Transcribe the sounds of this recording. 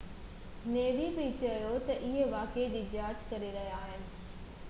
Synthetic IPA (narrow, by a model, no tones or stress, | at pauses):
neːʋibit͡ɕɐjot̪ɐʔɪɦeʋaːked͡ʑiːd͡ʑaːt͡ɕkɐɾeɾɐɦijaːɦɪnɪ̆